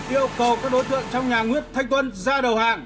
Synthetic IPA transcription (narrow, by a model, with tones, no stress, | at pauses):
ʔi˧əwkə˨˩wkaː˦˥k̚ɗo˨˦jt̪ʰɨ̰˧˨əŋt͡ɕɔ˧wŋ͡mɲaː˨˩ŋwi˦˥ət̚t̪ʰa˧ŋ̟t̪wə˧nzaː˧ɗə˨˩whaː˨˩ŋ